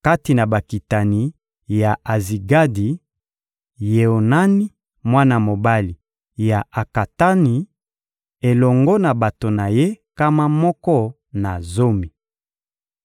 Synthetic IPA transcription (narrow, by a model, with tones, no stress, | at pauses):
ka˦ti˨na˨ba˨ki˨ta˨ni˨˦ | ja˨ʔa˨zi˨ɡa˦di˨ | je˨o˨na˦ni˦ | mwa˦na˦˨mo˨ba˦li˨ | ja˨a˨ka˨ta˦ni˨ | e˨lɔ˨ŋɡɔ˦na˨ba˨to˨na˨je˦ka˦ma˦mɔ˦kɔ˦ | na˨zo˦mi˨